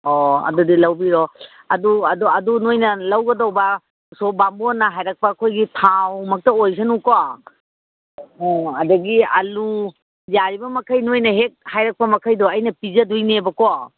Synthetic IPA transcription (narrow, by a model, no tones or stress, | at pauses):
ɔɐ̰dudilawbiɾɔ | ɐduɐduɐdunojnɐlawɡɐdawba | sɔbambɔnːaɦajɾak̚pakʰojɡitʰawmɐk̚tɐojs̬ʰanukɔ | ɔɐdɐɡiɐ̰lu | jaɾibɐmɐkʰajnojnɐɦek̚hajɾak̚pɐmɐkʰajdɔɐjnɐpizɐdujnebɐkɔ